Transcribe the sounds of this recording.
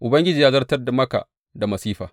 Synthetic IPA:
ʔʊ˨bɐ˦ŋɡʲɪ˦d͡ʒiː˨ja˦zɐ˦rtɐ˦rda˨mɐ˦ka̰˨ | da˨mɐ˨siː˦ɸa̰ː˨

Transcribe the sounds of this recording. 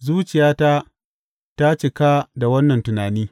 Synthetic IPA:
zuː˦t͡ʃɪ˨jaː˦ta˦ | ta˦t͡ʃɪ˨ka˦da˨wɐ˦nːɐ˨ntʊ˨naː˨niː˦

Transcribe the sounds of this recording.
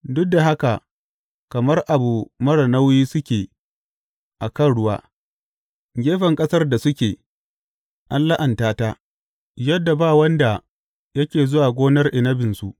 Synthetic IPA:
dʊ˦k̚da˨ɦa˦ka˨ | kɐ˨mɐ˦rʔa˨bu˨mɐ˦ɽɐ˨na˦wjiː˦sʊ˦kʲeː˨ | ʔa˨kɐ˦nɽʊ˦waː˦ | ɡʲeː˦ɸɐ˨ŋkʼɐ˦sɐ˦rda˨sʊ˦kʲeː˨ | ʔa˦nla˦ʔɐ˨ntaː˦ta˦ | jɐ˦dːa˨baː˦˨wɐ˦nda˨ | jɐ˦kʲeː˨zʊ˦waː˨ɡʷoː˦nɐ˦rʔɪ˨nɐ˦bɪ˨nsu˦ʔ

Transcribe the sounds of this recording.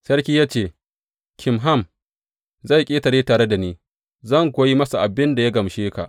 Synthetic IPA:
sɐ˦rkʲiː˦jaː˦t͡ʃeː˦˨ | kʲʰɪ˨mɦa˦˨m | za˦˨kʲʼeː˦tɐ˨ɽeː˦taː˨ɽe˦da˨niː˦ | zɐ˦˨ŋkʷoː˨ji˦mɐ˦sa˨ʔa˨bɪ˦nda˨ja˦ɡɐ˨mʃeː˦ka̰˨ʔ

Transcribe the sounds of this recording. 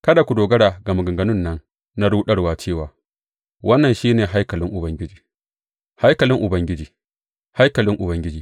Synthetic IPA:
kɐ˦da˨kʷu˨doː˨ɡɐ˦ɽaː˨ɡɐ˨mɐ˨ɡɐ˨ŋɡɐ˦nʊ˦nːɐ˦n | na˦ɽuː˦ɗɐ˦ɽwaː˦t͡ʃeː˦˨waː˨ | wʔɐ˦nːɐ˨nʃiː˦neː˨ɦa˦jkɐ˨lɪ˦ŋʔʊ˨bɐ˦ŋɡʲɪ˦d͡ʒiː˨ | ha˦jkɐ˨lɪ˦ŋʔʊ˨bɐ˦ŋɡʲɪ˦d͡ʒiː˨ | ha˦jkɐ˨lɪ˦ŋʔʊ˨bɐ˦ŋɡʲɪ˦d͡ʒiː˨

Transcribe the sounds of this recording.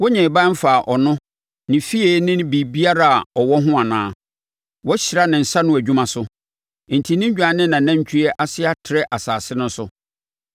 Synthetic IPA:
wɔ˦ɲɛ̃˨bã˦m̩˦faː˨ʔɔ˨nʊ̃˦ | nɪ̃˨fi˦e˦nɪ̃˦n˦bi˨bi˦a˦ɾa˦˨a˨ɔ˨wɔ˦ɦʊ̃˦a˨nã̰ː˦ | wɔ˦ɕɪ˨ɾa˦nɪ̃˨n̩˨sa˦nʊ̃˦æ˨d͡ʑᶣu˦mã˨sʊ˦ | n̩˨tʰi˨nɪ̃˦ɲ˦d͡ʑᶣa˨nɪ̃˦nːã˨nã˦ɲ˦t͡ɕᶣʰu˦ɛ˦ʔa˦sɪ˦a˦tʰɪ˨ɾɛ˦ʔa˨saː˨sɪ˦nʊ̃˦n̩˦sʊ˦

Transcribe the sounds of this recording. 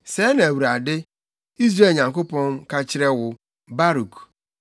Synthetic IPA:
se˨˦ne˨wu˨ɾa˨dɪ˦ | i˦zɾe˦˨ɲa˨ŋ̩˨kʊ˦pɔ˦ŋ̩˦ka˦t͡ʃɪ˦ɾe˦wʊ˨ | ba˦ɾu˨k

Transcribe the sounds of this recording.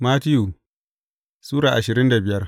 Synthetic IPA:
maː˦tɪ˦ju˨ | suː˦ɽaː˨ʔa˨ʃɪ˨ɾɪ˦nda˨bɪ˨jɐ˦r

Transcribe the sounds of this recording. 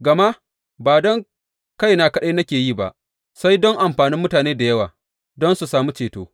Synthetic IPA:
ɡɐ˨ma˦ʔ | baː˨dɔ˦ŋ | ka˦jna˨kɐ˦ɗeː˦nɐ˦kʲeː˨jiː˦˨ba̰˨ʔ | sa˦jdɔ˦ŋʔa˨mɸaː˨nɪ˦mːʊ˦taː˨neː˦da˨jɐ˦waː˨ | dɔ˦nsu˨saː˨mu˦t͡ʃeː˨toː˦

